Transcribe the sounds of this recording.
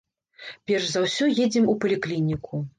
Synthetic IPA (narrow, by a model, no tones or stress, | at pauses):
pʲɛrʂzawsʲɔjed͡zʲɛmupɐlʲiklʲinʲikʰu